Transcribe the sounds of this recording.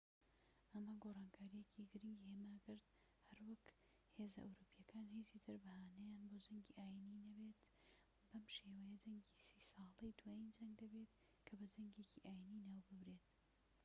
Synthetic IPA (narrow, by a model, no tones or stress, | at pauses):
ʔɐmɐɡorˤɑːnkʰaːɾijecʰiɡɨɾiŋɡiheːmaːkɨɾd̪ | hɐɾwak | he̞ːzɐʔa̰wɾupijɐkʰaːnhiːt͡ʃit̪ʰɨɾbɐhaːnɐjaːnboːd͡ʒɐŋɡiʔaːjininɐbe̞t̪ | b̥ɐmʃewɐjɐd͡ʒɐŋɡisiːsɑːlˠɐjd̪waːjind͡ʒɐŋɡ̚d̪ɐbet̪ | kʰɐbɐd͡ʒɐŋɡeːciʔaːjiniːnaːwbɨbɾe̞ːt̪